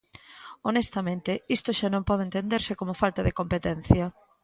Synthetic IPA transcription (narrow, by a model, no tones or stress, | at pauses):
onest̪amẽnt̪ɪist̪oʃanõmpɔðent̪end̪eɾsɪkomʊfalt̪aðekompet̪ɛn̟θjɐ